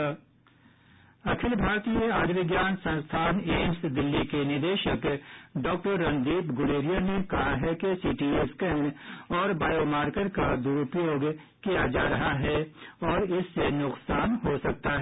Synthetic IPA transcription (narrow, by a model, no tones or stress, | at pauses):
ɐkʰɪlbʱaːɾt̪ieaːd̪ʋɪɡjaːnsɐ̃nst̪ʰaːneːmsd̪ɪlːikenɪɾd̪eːʃəkɖɔːk̚ʈəɾːɐ̃nd̪iːpɡʊɽeːɾijanekɐɦaɦɛkesiːʈieskɛːnɔːɾbaːjomaːɾkəɾkad̪uːɾʊpjoːɡ | kijad͡ʒaːɾɐɦaɦɛɔːɾɪsːenʊqsaːnɦosɐk̚t̪aɦɛ